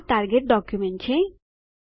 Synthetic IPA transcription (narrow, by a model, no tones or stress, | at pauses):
ʈaɾɡeʈ̚ɖɔkjumeɳt͡ɕʰe